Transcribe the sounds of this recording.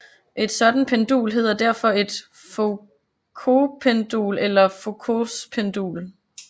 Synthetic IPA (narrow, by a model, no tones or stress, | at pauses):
ʔe̝d̥sɒ̽d̥n̩pʰend̥ṵːlɦe̝ð̞̰ˠɐd̥æɐ̰fɒ̽e̝d̥ | fo | kʰo̝pʰend̥ṵːlelɐfo̝kʰospʰend̥ṵːl